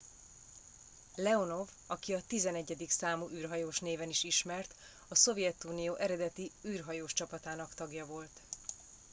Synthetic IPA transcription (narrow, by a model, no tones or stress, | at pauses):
lɛo̞no̞v | ɒkiɒt̪izɛnɛɟːɛd̪iksaːmuʔyːrɦɒjoːʃneːvɛniʃiʃmɛrt̪ | ɒso̞vjɛt̪uːnijoːʔɛɾɛd̪ɛt̪iyːrɦɒjoːʃt͡ʃɒpɒt̪aːnɒkt̪ɒɡjɒvo̞lt̪